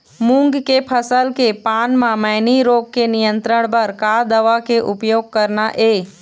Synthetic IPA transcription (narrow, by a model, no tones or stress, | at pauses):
mũŋɡkepʰəsəlkepaːnmãməɪniɾoːɡ̚kenɪjə̃nt̪ɾəɽ̃bəɾkad̪əʋakeʔʊpjoːɡ̚kəɾnaʔeː